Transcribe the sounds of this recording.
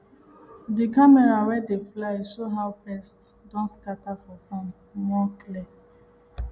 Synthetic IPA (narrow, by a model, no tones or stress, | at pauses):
dikamɛɾawɛdeflajsoɦawpɛsts | dɔ̃nskatafɔfɔ̃n | mɔklɛ